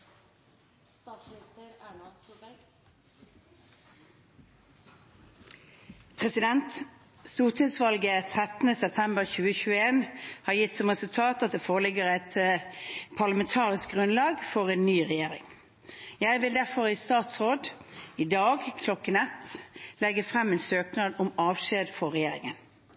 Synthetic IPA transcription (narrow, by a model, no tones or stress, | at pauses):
pʰʁɛsɪd̪ɛnt̪ | st̪uːʁt̪ʰɪsʋɑlɡət̪ʰʁɛt̪nəsɛp̚t̪ʰɛmbəʁçʉːəçʉːəeːnhɑːjɪt̪sɔmʁɛsʉlt̪ʰɑːt̪ɑt̪̚d̪eːfoːʁəlɪɡəʁæt̪ | pʰɑʁləmɛnt̪ʰɑːʁɪsk̚ɡʁʉnlɑːɡfɔʁeːnnyːʁɛjeːʁɪ̰ŋ | jæɪʋɪld̪æʁfɔʁiːst̪ɑːt̪sʁoːd̪ɪd̪ɑːɡkʰlɔkːənɛt̪lɛɡəfʁɛmeːnsøːknɑːd̪ʊmɑːʋʃeːd̪fɔʁɛjeːʁɪŋən